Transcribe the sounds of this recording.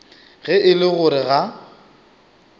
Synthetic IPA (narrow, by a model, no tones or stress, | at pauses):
ɣɛʔɪlɪɣʊɾɪɣa